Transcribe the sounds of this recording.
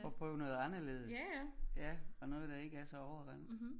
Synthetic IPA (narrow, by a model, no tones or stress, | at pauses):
ɒ̽pʰʁœʊnɔ̽ːð̩ˠɑ̈nɐle̝̰ːðˠəsjæɒ̽nɔ̽ːð̩ˠd̥ɑ̈e̝ɡ̥əæɐsɒ̽ɒʊɐɡ̥ɑn